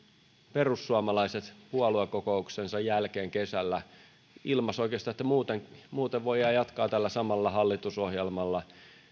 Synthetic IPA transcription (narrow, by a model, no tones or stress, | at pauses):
pe̞rusːuɑmɑlɑiset̪puolueko̞ko̞ukse̞nsɑjːælk̟e̞ːŋke̞sælːæ | ilmɑso̞ijk̟eɑst̪ɑːet̪ːæmuːt̪eŋmuːt̪eʋʋo̞jɑːjɑt̪kɑːt̪ælːæsɑmɑlːɑɦɑlːit̪uso̞ɦjelmɑlːɑ